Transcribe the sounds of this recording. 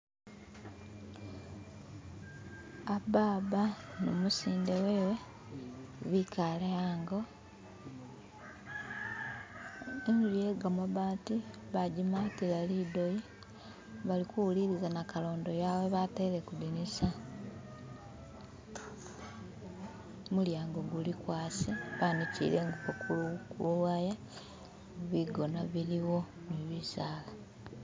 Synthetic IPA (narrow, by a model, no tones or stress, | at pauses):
abaːβanomusiːndewe̞ːwe̞ | βikʰalejaːŋɡo | enzuijeɡamoβaːti | βaɟimatiβalido̞ji | βalikuwuliɾizanakalo̞ːndo̞jawe̞βatele̞kudinisa | muljaːŋɡoɡulikwaːsiβanicḭɾe̞ŋɡuβakulukuluwaja | βiɡo̞naβiliwo̞ | niβisaːla